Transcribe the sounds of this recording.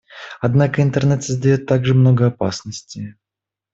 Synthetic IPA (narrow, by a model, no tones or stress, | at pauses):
ɐd̪nakəɪnt̪ərnɛt̪səzd̪ɐjo̞t̪ːaɡʐɨmno̞ɡəɐpa̰snəsʲtʲɪ